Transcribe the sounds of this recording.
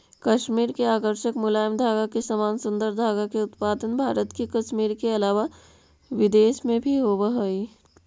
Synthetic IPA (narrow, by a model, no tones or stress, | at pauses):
kɐʃmiːɾkeaːkəɾʃəkmʊlaːjəmd̪ʱaːɡakesəmaːnsʊ̃nd̪əɾd̪ʱaːɡakeʊt̪paːd̪ənbʱaːɾət̪kekɐʃmiːɾkeɐlaːʋa | ʋɪd̪eːʃmẽbʱiɦoːʋəɦoi